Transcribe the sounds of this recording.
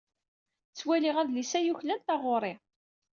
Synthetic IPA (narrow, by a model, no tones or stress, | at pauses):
t͡sːwælɪʁæðlisæjuçlænt̪ɑʁʊɾˤɪ